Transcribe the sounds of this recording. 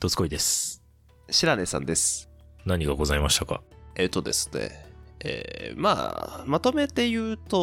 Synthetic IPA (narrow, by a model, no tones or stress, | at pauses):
t̪ot͡sɨ̥koid̪e̞sɨ̥ | ɕiɾanesã̰nd̪e̞sɨ̥ | naɲ̟iɡaɡo̞zaimaɕi̥t̪aka̰et̪ːo̞d̪e̞̰sɨ̥ne̞̰ḛːma̰ːmat̪o̞me̞t̪e̞jɯ̟ːt̪o̞